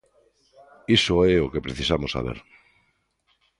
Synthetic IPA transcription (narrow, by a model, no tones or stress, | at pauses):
isoeokepɾeθisamosa̰β̞ḛɾ